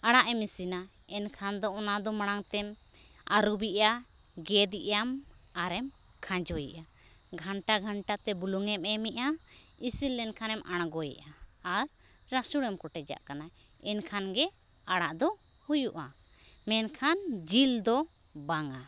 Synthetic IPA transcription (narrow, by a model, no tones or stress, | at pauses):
aɽ̃aʔɛmisina | ɛnkʰand̪ɔɔnad̪ɔmaɽ̃aŋt̪ɛm | a̰ɾubiʔa | ɡɛd̪iʔam | aɾɛm | kʰãd͡ʒɔjɛ̰ʔa | ɡʱaɳʈaɡʱaɳʈat̪ɛbuluŋɛmɛmiʔa | isilːɛnkʰanɛmʔaɽ̃ɡɔjɛ̰ʔaː | ɾː | asuɽɛmkɔʈɛd͡ʒa̰ʔkana | ɛnkʰanɡɛ | aɽaʔd̪ɔ | hujuʔa | mɛnkʰand͡ʒild̪ɔ | baŋa